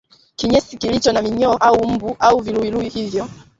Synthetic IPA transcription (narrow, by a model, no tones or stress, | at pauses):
kiɲɛsikilit͡ʃɔnamiɲɔɔʔaum̩buʔauviluiluihivjɔ